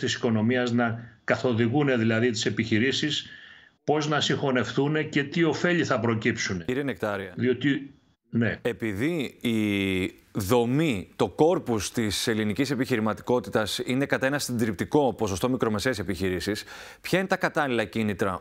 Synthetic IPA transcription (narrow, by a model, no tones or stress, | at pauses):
t̪isi̥ko̞no̞miɐznɐkɐθo̞ðiɣune̞ðilɐðit̪i̥se̞piçiɾisis | po̞znɐsiŋxo̞ne̞fθune̞ce̞t̪io̞fe̞ʎiθɐpɾo̞cipsuneiɾienekt̪ɐɾiɐðio̞t̪i | nee̞piðiː | ðo̞mit̪o̞ko̞ɾpust̪ise̞linicise̞piçiɾimɐt̪i̥ko̞t̪it̪ɐsine̞kɐt̪ɐe̞nɐsind̪ɾipt̪iko̞po̞so̞st̪o̞mikɾo̞me̞se̞ese̞piçiɾisis | pçɐine̞t̪ɐkɐt̪ɐlilɐcinit̪ɾɐ̰